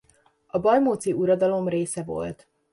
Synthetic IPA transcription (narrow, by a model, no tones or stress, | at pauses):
ɒbɒlmoːt̪siuɾɒd̪ɒlo̞mreːsɛvo̞̰lt̪